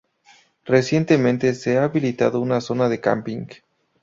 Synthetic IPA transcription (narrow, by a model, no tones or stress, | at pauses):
re̞sje̞nt̪e̞mẽnt̪e̞seaːβilit̪a̰ðo̞unaso̞naðe̞ka̰mpiŋɡ